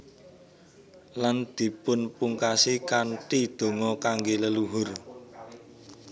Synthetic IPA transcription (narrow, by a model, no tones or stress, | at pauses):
land̪̥i̤pʊnpuŋkasikanʈid̪̥o̤ŋɔkaŋɡeləluɦʊr